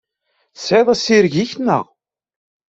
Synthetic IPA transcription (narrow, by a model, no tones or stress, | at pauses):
sʕeðˤæsiɾʝiçnə̰ʁ